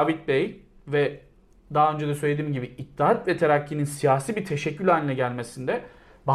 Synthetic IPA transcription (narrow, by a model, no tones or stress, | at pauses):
vit̪̚bejvɛ | d̪aaø̞nd͡ʒed̪ɛsøjlʲed̪iːmɟibiit̪ʰːiɦat̪vɛt̪ʰeɾacːininsijaːsiːbiɾt̪ʰeʃɛcːylʲanʲiːɛɟælʲme̞sind̪ɛ | ba